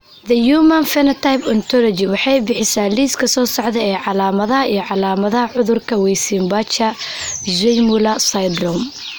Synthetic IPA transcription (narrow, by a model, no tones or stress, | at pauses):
ðɐjuːmɐnfɛnɐt̪ʰajpɔnt̪ʰɔlɔd͡ʒɪwɑħɑjbɪħɪsaːliːskʰɐsɔːsɔʕðɛɛːʕɑlaːmɐðɐɦɐijɔʕɑlaːmɐðɐɦɐʕʊðʊrkʰɐwɛjsiːmbɐt͡ʃɐʒɛjmʊlɐsɐjd̪rɔm